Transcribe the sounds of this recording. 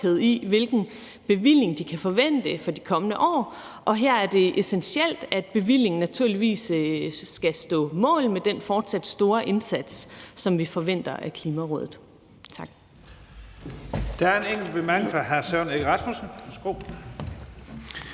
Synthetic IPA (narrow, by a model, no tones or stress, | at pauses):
eð̩̰ˠiʋe̝lɡ̥n̩ | b̥e̝ʋil̰e̝ŋd̥ikʰæfɒ̽ʋen̰d̥əfɒ̽d̥ikʰɒ̽mənəʔɒ̰ː | ʔɒ̽ɦeɐ̰æɐd̥e̝ʔesenɕiel̰d̥æd̥̚b̥e̝ʋil̰e̝ŋn̩næt͡sʰuɐ̰liʋḭːsː | ɡ̥æsd̥ɔ̰̽ːmɔ̰̽ːlmed̥enfɒːd̥sæd̥sd̥o̝ːɐʔe̝nsæd̥ssɒ̽mʋifɒ̽ʋen̰d̥ɐʔækʰliːmæʁɔ̰ð̞̰ˠð̩ˠ | t͡sʰɑ̈ɡ̥ | d̥ɑæɐe̝neŋ̰ɡ̥l̩b̥emæɡ̥efɑ̈ɦæɐsœʊ̰neɡʁɑ̈smusn̩sɡ̥oʊ̰